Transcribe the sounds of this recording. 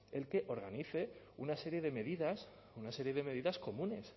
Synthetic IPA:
e̞lke̞ʔo̞ɾɣaniθe̞ | unase̞ɾje̞ð̞e̞me̞ðiðas | unase̞ɾje̞ð̞e̞me̞ð̞iðasko̞mũne̞s

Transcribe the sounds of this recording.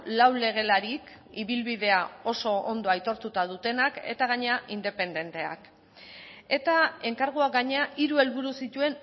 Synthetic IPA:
lawle̞ɣ̞e̞laɾikiβilβiðe̞ao̞so̞ond̪o̞ajt̪o̞ɾt̪ut̪aðut̪e̞nake̞̰t̪aɣ̞aɲe̞aʔind̪e̞pe̞nd̪ent̪e̞a̰k | e̞t̪ae̞ŋkaɾɣuaɡaɲe̞aʔiɾue̞lβuɾusit̪ue̞n

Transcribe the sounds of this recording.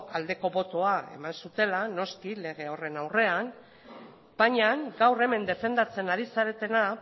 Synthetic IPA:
ald̪e̞ko̞βo̞t̪oae̞̰mansut̪e̞lano̞skile̞ɣ̞e̞ore̞nawre̞an | b̥aɲaŋɡawre̞me̞nd̪e̞fe̞nd̪at͡se̞naɾisaɾe̞t̪e̞na

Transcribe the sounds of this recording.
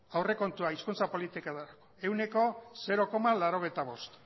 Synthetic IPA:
awre̞ko̞nt̪uaiskunt͡sapo̞lit̪ikaðaɾako̞e̞wne̞ko̞se̞ɾo̞ko̞malaɾo̞ɣ̞ejt̪aβ̞o̞st̪

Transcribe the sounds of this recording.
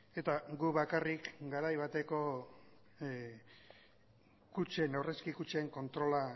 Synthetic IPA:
e̞t̪aɡuβakarikɡaɾajβat̪e̞ko̞ | kut͡ʃe̞newreskikut͡ʃeŋko̞nt̪ɾo̞la

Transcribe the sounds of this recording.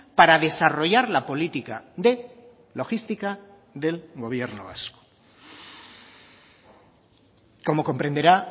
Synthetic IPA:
paɾaðe̞saro̞ʝaɾlapo̞lit̪ikaðe̞ | lo̞xist̪ika | ðe̞lɣo̞β̞je̞ɾno̰βa̰sko̥ | ko̞mo̞ko̞mpɾe̞nd̪eɾa

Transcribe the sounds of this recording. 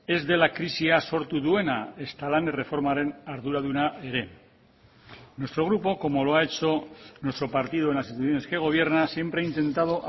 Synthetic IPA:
e̞zðe̞lakɾisiaso̞ɾt̪uðue̞nae̞st̪alanere̞fo̞ɾmaɾenaɾðuɾaðunaeɾe̞ | nwe̞st̪ɾo̞ɣ̞ɾupo̞ko̞mo̞lo̞ae̞t͡ʃo̞nwe̞st̪ɾo̞paɾt̪iðoe̞nlasit̪uθjo̞ne̞ske̞ɣ̞o̞β̞je̞ɾnasje̞mpɾeaint̪e̞nt̪að̞o̞ʔ

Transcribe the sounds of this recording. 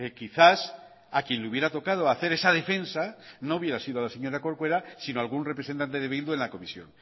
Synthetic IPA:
ekiθas | akje̞nleuβje̞ɾat̪o̞kað̞oaθe̞ɾe̞saðe̞fe̞nsano̞uβje̞ɾasiðoalase̞ɲo̞ɾako̞ɾkwe̞ɾasinoalɣunrepɾesent̪ant̪e̞ðe̞βild̪uenlako̞misjo̞̰ŋ

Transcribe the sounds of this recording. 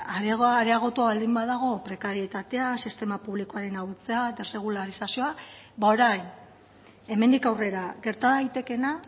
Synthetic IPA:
aɾeɣɾeaɣ̞o̞t̪uaβald̪imbaðaɣ̞o̞pɾe̞kaɾie̞t̪at̪e̞asist̪e̞mapuβliko̞aɾe̞naut͡sead̪e̞re̞ɣ̞ulaɾisasio̞a | bao̞ɾajn | e̞me̞nd̪ikawre̞ɾaɣe̞ɾt̪aðajt̪e̞ke̞na

